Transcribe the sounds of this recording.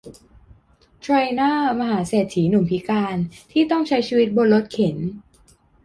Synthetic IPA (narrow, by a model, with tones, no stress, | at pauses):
t̪ʰɾa˧jnaː˥˩ma˧ɦaː˩˦seː˨˩t̪̚ʰiː˩˦nu˨˩˦mpʰi˦˥kaː˧nt̪ʰiː˥˩t̪ɔ˥˩ŋt͡ɕʰa˦˥jt͡ɕʰiː˧wi˦˥t̪̚bo˧nlo˦˥t̪̚kʰe˩˦n